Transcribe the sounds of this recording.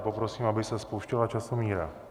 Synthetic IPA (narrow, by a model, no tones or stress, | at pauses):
po̞pɾo̞siːmabɪsɛspowʃcɛlat͡ʃasomiːɾa